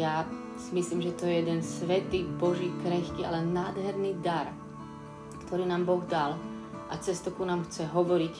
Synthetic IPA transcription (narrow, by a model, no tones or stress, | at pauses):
ja | simisliːmʒɛt̪ɔjɛjɛd̪ɛnsʋɛt̪iːbɔʒiːkɾɛxkiːalɛnnaːd̪ɦɛɾniːd̪aɾ | kt̪ʰɔɾiːnaːmbɔɣd̪al | ʔat͡sɛst̪ukunaːmxt͡sɛɦɔʋɔɾic